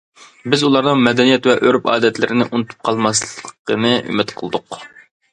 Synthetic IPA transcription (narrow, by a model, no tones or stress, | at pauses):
bɪzulˠɑɾnɨŋmɛd̪ɛnijɛt̪wɛʔøɾpɑ̰ːd̪ɛt̪lɪɾɪnɪʔunɨt̪ʰu̥p̚qʰɑlˠmɑslˠəqʰənɨʔy̰mɪt̪qʰəlˠɨd̪ʊq